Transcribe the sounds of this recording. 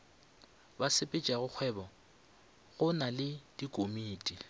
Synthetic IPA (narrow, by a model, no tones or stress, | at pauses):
basɪpʼɪt͡ʃʼaɣʊk͡xʰwɛːbɔ | ɣʊnalɪd̥ikʼomiːtʼi